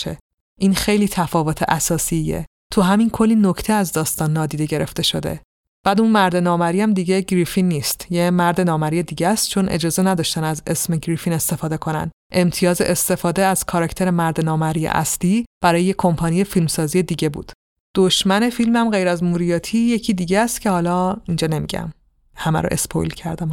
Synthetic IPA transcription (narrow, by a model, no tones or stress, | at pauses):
ḛ | ʔiːnxe̞jliːt̪ʰæfɒːvot̪ʰḛʔæsɒːsijḛ | t̪ʰuɦæminkʰo̞lːiːnno̞cʰt̪ʰeæzd̪ɒːst̪ɒːnːɒːd̪iːd̪e̞ɟe̞ɾe̞̰ft̪e̞ʃo̞d̪e̞̰ | b̥æːd̪unmæɾd̪e̞nɒːmæɾiːæmd̪iɡɟe̞ɟɾifinːiːst̪jemæɾd̪e̞nɒːmæɾije̞d̪iːɟæst̪̚t͡ʃʰo̞nʔe̞̰d͡ʒɒːze̞næd̪ɒːʃt̪ænæze̞sme̞ɟɾifine̞st̪e̞fɒːd̪e̞kʰo̞næ̰nd̪ | ʔe̞mt̪ʰijɒːzeʔest̪e̞fɒːd̪eæz̥kʰɒɾɒcʰt̪e̞ɾemæɾd̪enɒːmæɾijḛʔæ̰sliːb̥æɾɒːjejekʰːo̞mpʰɒːnije̞filmsɒːzije̞d̪iːɟe̞bṵːd̪̥ | d̪̥oʃmæne̞filmæmɢe̞jɾæzmuːɾijɒːt̪ʰiːje̞cʰiːd̪iːɟest̪cʰe̞hɒːlɒːind͡ʒɒːne̞mḭɟæ̰m | hæmæ̰ɾo̰ʔe̞̰spʰo̰jlcʰæɾd̪æm